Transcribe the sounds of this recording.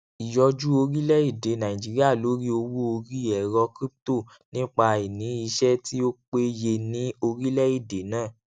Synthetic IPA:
i˨jɔ˧d͡ʒu˦o˧ɾi˦lɛ˦i˦˨de˨˦nã˨ĩ˨d͡ʒi˨˦ɾi˦a˦˨lo˨˦ɾi˦o˧wu˦o˧ɾi˦˨ɛ˨ɾɔ˧kɾi˦p̚to˦˨ | nĩ˦k͡pa˧i˨nĩ˨˦i˧ʃɛ˦ti˦o˦k͡pe˦je˧nĩ˨˦o˧ɾi˦lɛ˦i˦˨de˨˦nãː˦˨

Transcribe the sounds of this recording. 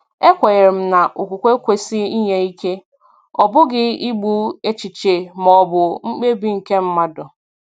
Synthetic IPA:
e˦kʷe˨ɣe˨ɾɪ˨m̩˨˦na˨ʔu˨kʷu˨kʷe˦kʷe˦sɪ˦i˦ɲe˨i˦ke˦ | ɔ˨bʊ˦ɡɪ˦i˦ɡ͡bu˦e˦t͡ʃi˨t͡ʃe˨mɔ˨bʊ˨ŋ͡m̩˦k͡pe˦bi˦ŋ̩˨ke˦m̩˦ma˦dɔ˨

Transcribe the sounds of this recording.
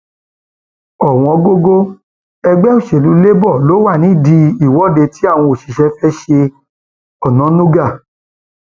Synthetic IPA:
ɔ˦˨w̃ɔ̃˧˦ɡo˦ɡo˦ | ɛ˧ɡ͡bɛ˦o˦˨ʃe˨lũ˨˧˦le˦bɔ˦˨lo˨˦wa˦˨nĩ˨˦˨di˧i˨wɔ˨˦˨de˧ti˦a˦˨w̃ɔ̃˧o˨ʃi˨ʃɛ˧fɛ˦ʃe˧ | ɔ˨nã˨˦nũ˦ɡa˦˨

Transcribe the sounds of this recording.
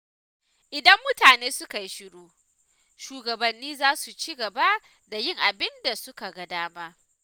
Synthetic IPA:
ʔɪ˨dɐ˦mːʊ˦taː˨neː˦sʊ˦ka˨ji˦ʃɪ˦doː˦ | ʃuː˨ɡɐ˨bɐ˨nːiː˦zaː˦su˨t͡ʃi˦ɡɐ˨ba˦ | da˨jɪ˦˨ŋʔa˨bɪ˦nda˨sʊ˦ka˨ɡɐ˨daː˦ba˦ʔ

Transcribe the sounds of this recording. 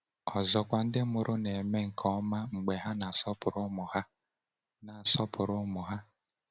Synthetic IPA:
ɔ˨zɔ˦kʷa˦n̩˦dɪ˦mʊ˨ɾʔʊ˦ne˨me˦ŋ̩˨kʰɔ˦ma˦ŋ͡m̩˨ɡ͡be˨ɦa˦na˨a˨sɔ˦pʊ˨ɾʊ˦mʊ˨ha˦ | na˨a˨sɔ˦pʊ˨ɾʊ˦mʊ˨ɦa˦

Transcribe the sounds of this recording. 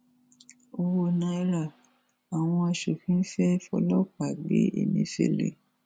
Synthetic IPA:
o˧wo˧˦˨nã˧˦i˦ɾa˦˨ | a˨w̃ɔ̃˧a˧ʃo˨fĩ˨˦fɛ˦fɔ̰˧lɔ˦k͡pa˨ɡ͡bḛ˨˦ḛ˦˨mĩ˧sḛ˨lḛ˨

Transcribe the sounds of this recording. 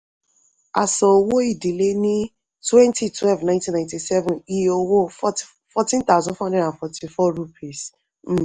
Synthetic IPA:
a˨sɔ˨o˨wo˦i˨di˨le˦nĩ˦ | twɛ̃˦nti˨twɛ˦lvnã˦ɪ̃ntĩ˦nã˨nti˨sɛ˦vɔ̃˨ni˨o˨wo˦fɔ | fɔ˦tĩ˦nt̪a˦ʊzɔ̃nfɔ˦ɦɔ̃˦ndɾɛ˨dã˨nfɔ˨tʰi˨fɔ˦ɹu˦pʰi˨s | m̩˦˨

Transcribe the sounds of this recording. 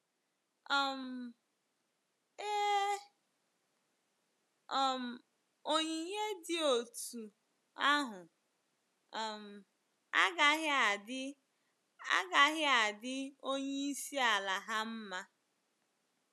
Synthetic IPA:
ɔ˨m̩˨ | e˦ | ɔ˨m̩˨ | o˦ɲe˨ɲe˦dɪ˨˦o˨tu˨ | a˦ɦʊ˨ | m̩˨ | a̰˦ɡa˨ɣɪ˦a˨dɪ˦ | a̰˦ɡa˨ɣɪ˦a˨dɪ˦o˦ɲe˦i˦si˦a˨la˨ɦa˦m̩˦ma˦

